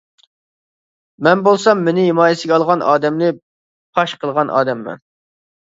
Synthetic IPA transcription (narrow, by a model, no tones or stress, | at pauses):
mɛnbolˠsɑmːenɪɦɪmɑːjesɪɡʲɛɑlˠʁɑnʔɑ̰ːd̪ɛmlɪ | pʰɑʃqʰəlˠʁɑnʔɑ̰ːd̪ɛmːɛ̰n